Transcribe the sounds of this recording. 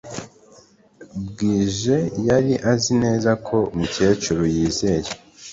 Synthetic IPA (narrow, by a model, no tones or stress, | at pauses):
bɡiːʒe̞jaɾiʔazine̞ːzakʰo̞umuce̞ːt͡ʃuɾojiːze̞je